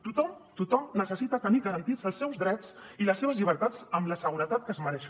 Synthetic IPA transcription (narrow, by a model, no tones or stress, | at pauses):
t̪ut̪ɔmt̪ut̪ɔmnəsəsit̪ət̪əniɣəɾənt̪izəlˠsːɛwzðɾɛt͡siləsːeβ̞əzʎiβəɾt̪at͡səmləsəɣuɾət̪at̪̚kəzməɾɛʃ